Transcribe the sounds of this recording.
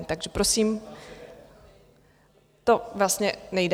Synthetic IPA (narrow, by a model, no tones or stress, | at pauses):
t̪aɡʒɛpɾosiːm | t̪o̞vlast̪ɲɛnɛjd